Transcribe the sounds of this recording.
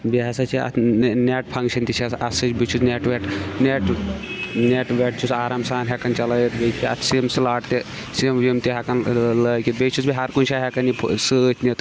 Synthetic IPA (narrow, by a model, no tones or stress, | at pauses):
biɦɐsɐt͡ʃʰiɐ̰t̪neʈpʰɐŋkʃɐnt̪it͡ʃʰɐɐsɨt͡ʃʲbit͡ʃʰut͡sneʈʋeʈneʈ | neʈʋeʈ̚t͡ʃʰut͡saːɾaːmsaːnɦekɐnt͡ʃɐlɐjit̪bet͡ʃʲiɐ̰t̪ʰsimslaːʈt̪e | simʋimt̪iɦʲɐkɐnlɐːkʲit̪̚bet͡ʃʰut͡sbiɦɐɾkunʲt͡ʃʰaːɦekɐnipʰsɨt̪ʰnit̪